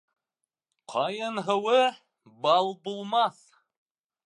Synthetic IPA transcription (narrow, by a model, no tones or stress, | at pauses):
qʰɑjɤnɦɤ̆wɤ | bɑlˠbulˠmɑθ